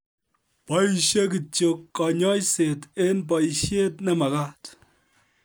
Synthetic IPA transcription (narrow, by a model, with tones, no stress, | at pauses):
pɔ˨i˨ʃe˦k̬ɨ˨t͡ʃo˨kːɔ˨ɲɔ˦jse˨te˦np̬ɔ˨i˨ʃje˦tne˨˦mɐ˨ka˦t